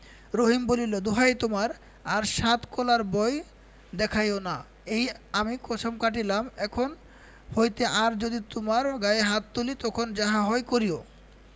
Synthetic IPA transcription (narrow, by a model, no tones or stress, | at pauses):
ɾoɦimbolilod̪oɦajt̪omaɾ | aɾʃat̪kɔlaɾbɔj | d̪ɛkʰajona | ejamikɔt͡ɕʰomkaʈ̬ilamɛkʰon | hojt̪eʔaɾd͡ʑod̪it̪omaɾɡajeɦat̪ːulit̪ɔkʰond͡ʑaɦaɦɔjkoɾio